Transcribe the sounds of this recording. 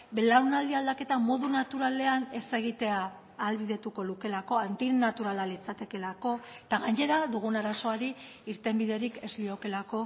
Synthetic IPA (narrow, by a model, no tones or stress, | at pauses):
be̞laɾunald̪iald̪ake̞t̪amo̞ðunat̪uɾale̞ane̞se̞ɣ̞it̪e̞aː | lβiðe̞t̪uko̞luke̞lako̞ant̪inat̪uɾalalit͡sat̪e̞ke̞lako̞t̪aɣaɲe̞ɾad̪uɣ̞unaɾaso̞aɾi | iɾt̪e̞mbiðe̞ɾike̞zlio̞ke̞lako̞